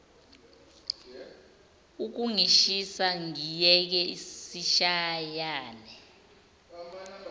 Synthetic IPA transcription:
uk̬uŋiʃisaŋijɛk̬ɛisiʃajaːnɛ

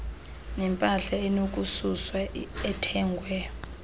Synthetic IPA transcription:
nɛmpʼaɬaɛnok̬ʼususwaɛtʰɛːŋɡʱwɛ

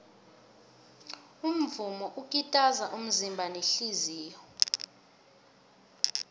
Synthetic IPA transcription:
um̩vumɔʔukʼitʼazaʔum̩zimbʱaneɬiziːjɔ

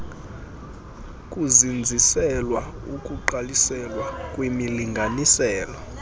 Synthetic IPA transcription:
kʼuzind͡zʱisɛlwa | ukʼuǃalisɛlwakʼwimiliŋɡʱanisɛːlɔ

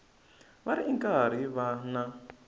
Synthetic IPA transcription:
βaɾiʔiŋkʼaɾ̤iβana

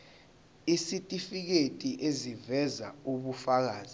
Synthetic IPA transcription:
isitʼifik̬etʼiʔezivɛza̰uɓufak̬aːzi

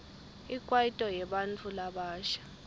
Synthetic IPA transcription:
ikʼwaitʼɔjɛɓant͡fʰulaɓaːʃḁ

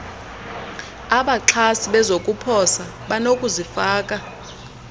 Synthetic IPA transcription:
aɓaǁʰasiɓɛzokʼupʰɔsa | ɓanokʼuzifaːkʼa

